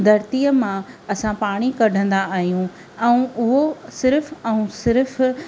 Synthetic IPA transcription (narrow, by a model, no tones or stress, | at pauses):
d̪ɐɾt̪iːəmãɐsãpaːɽ̃ikɐɖʱə̃nd̪aaːɦijũ | ɛ̃ũʊɦosɪɾfɛ̃ũsɪɾf